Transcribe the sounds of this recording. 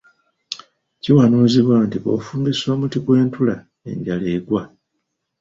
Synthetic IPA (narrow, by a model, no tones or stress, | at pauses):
ciwanuziβwantiβo̰fuːmbiswamutiɡwe̞ːntula | e̞̰ɲɟaleːɡwa